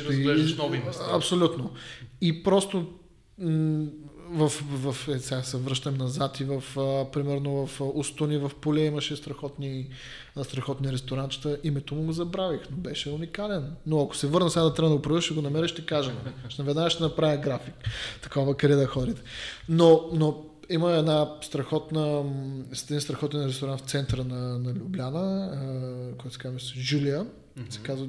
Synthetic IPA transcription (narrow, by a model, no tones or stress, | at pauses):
ɾɛʒʃnɔvimɛsɐpsolʲut̪noipɾɔst̪o | vɐfvɐfɛsʲɛasɛvɾɤʃt̪ɐmnɐzat̪ivɐfpɾimɛɾnovɐfust̪onivɐfpolʲɛimɐʃɛst̪ɾɐxɔt̪ni | st̪ɾɐxɔt̪nʲiɾɛst̪oɾant̪t͡ʃi̥t̪əʔimɛt̪omʊɡozɐbɾavixnobɛʃɛunikalɛnːoɐko̥sɛvɤɾnəsɛɡad̪ɐt̪ɾʲabəd̪əɡopɾɐvɾʃiɡonɐmɛɾəʃt̪ɛkaʒɛnʃnɐvɛd̪naʃt̪ɛnɐpɾavʲəɡɾafikt̪ɐ̥kɔvəkɾɛd̪ɐxɔɾit̪ɛ̥nono | iməɛd̪nast̪ɾɐxɔt̪nəsɛd̪inst̪ɾɐxɔt̪ɛnɾɛst̪oɾant̪ft̪sɛnt̪əɾənɐnɐlʲublʲanə | kɔjt̪sɛkazmɛsʒuliə | sɛ̥kazvə